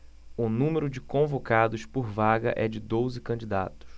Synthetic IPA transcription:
ʊnũmeɾʊd͡ʒɪkõvokad̪ʊspoɾvaɡɐ̰ʔɛd͡ʒɪd̪ozɪkɐ̃d͡ʒid̪a̰t̪ʊ̥s

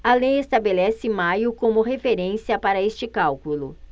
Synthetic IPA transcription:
alejest̪abelɛsɪmajʊkõmʊɦefeɾẽsiɐpaɾɐest͡ʃɪkawkulʊ

